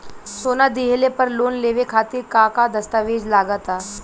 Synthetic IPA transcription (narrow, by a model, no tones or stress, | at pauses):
soːnad̪iɦelepəɾloːnleːʋekʰaːt̪iɾkãkad̪əst̪aʋeːd͡ʒlaːɡət̪aː